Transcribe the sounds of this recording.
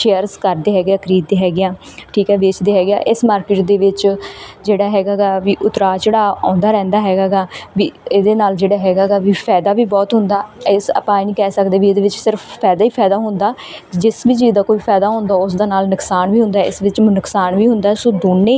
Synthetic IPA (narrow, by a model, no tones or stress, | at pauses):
ʃeːəɾzkəɾd̪eːɦɛːɡjãːkəɾiːd̪ːeːɦɛːɡɪjãː | ʈʰiːkɦɛːʋeːt͡ʃd̪eːɦɛːɡɪjã̰ːʔɪsmaːɾkɪːʈd̪eːʋɪt͡ʃd͡ʒeːɽaːɦɛːɡaːɡaːʋiːʔʊt̪ɾaːt͡ʃeɽaːã̰ːnd̪aːɾɛ̃ːnd̪aːɦɛːɡaːɡaːʋiːeːd̪eːnaːld͡ʒeːɽaːɦɛːɡaːɡaːʋiːpʰɛːd̪aːʋiːbɔːt̪ɦʊnd̪aːɪsə̰pãːinĩːkɛːsəkd̪eːʋiːeːd̪eːʋɪt͡ʃsɪɾəfːɛːd̪aːiːpʰɛːd̪aːɦʊnd̪aː | d͡ʒɪsʋiːt͡ʃiːd̪aːkoːiːpʰɛːd̪aːɦʊ̃nd̪aːʊs̬d̪aːnaːlnəksaːnʋiːɦʊ̃nd̪aːɪ̰sʋɪt͡ʃmənəksaːnʋiːɦʊnd̪aːsoːd̪oːnːeː